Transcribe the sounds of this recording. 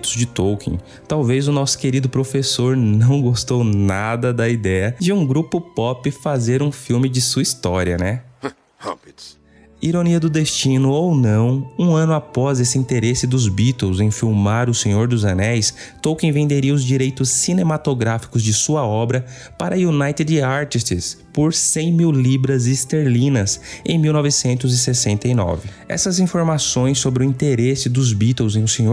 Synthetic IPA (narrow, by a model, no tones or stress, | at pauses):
t̪ʊzd͡ʒɪt̪owkḛ̃ | t̪awvezʊnɔsʊ̥keɾid̪ʊpɾofesoɾnɐ̃w̃ɡost̪ownad̪ɐd̪ɐid̪ɛjɐd͡ʒɪũɡɾupʊpɔpɪfazeɾũfiwmɪd͡ʒɪsuɐist̪ɔɾiɐ̰nɛ | ha̰pd̪ʊ | iɾoniɐd̪ʊd̪est͡ʃĩnʊownɐ̃w̃ũɐ̃nʊapɔzesɪĩnt̪eɾesɪd̪ʊzbit̪ewzẽj̃fiwmaɾʊsẽɲoɾd̪ʊzɐnɛjs | t̪owkẽj̃vẽnd̪eɾiɐʊzd͡ʒiɾejt̪ʊsːinẽmat̪oɡɾafi̥kʊzd͡ʒɪsuɐɔbɾɐ | paɾɐjunajt̪ɪd̪aɾt͡ʃ̪ist̪ɪspoɾsẽj̃miwlibɾɐzɪst̪eɾlĩnɐsẽj̃miwnɔvɪsẽnt̪ʊzɪsesẽnt̪ɐinɔ̰vɪ | ɛ̰sɐzĩfoɾmasõj̃s̬ːobɾɪʊĩnt̪eɾesɪd̪ʊzbit̪ewzẽj̃ʊsẽɲo